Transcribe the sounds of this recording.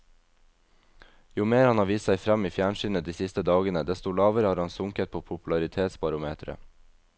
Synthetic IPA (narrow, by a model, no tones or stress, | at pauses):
juːmeːɾhɑnhɑːʋiːst̪sæɪfɾæmiːfjæːɳʃyːnəd̪iːsɪst̪əd̪ɑːɡənəd̪ɛst̪olɑːʋəɾəhɑːɾhɑnsʊŋkət̪̚pʰoːpʰʊpʉlɑɾɪt̪ʰeːt̪sbɑɾʊmeːt̪ʰɾə̰